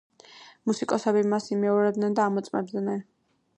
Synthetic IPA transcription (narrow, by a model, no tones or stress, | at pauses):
musikʼɔsɛbimasimɛɔɾɛb̚d̪nɛnd̪aːmɔt̪sʼmɛ̰b̚d̪nɛn